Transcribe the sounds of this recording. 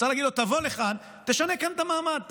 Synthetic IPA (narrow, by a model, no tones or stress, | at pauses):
salaːɡid̪lot̪avo̞leχan | t̪eʃanekant̪amaːmad̪̚t̪